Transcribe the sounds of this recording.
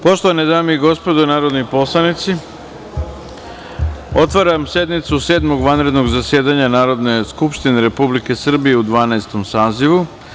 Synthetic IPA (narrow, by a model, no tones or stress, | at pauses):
po̞ʃt̪o̞ʋaned̪aːmeiɡo̞spo̞d̪onaːɾod̪nipo̞slˠanit̪si | o̞t̪ʋaɾamse̞d̪mit̪suse̞ːd̪mo̞ɡʋanɾe̞d̪no̞ɡzasje̞ːd̪aɲanaːɾo̞d̪ne̞skupʃt̪ine̞ɾe̞publike̞sr̩bije̞ud̪ʋaːnaest̪o̞msaːziʋu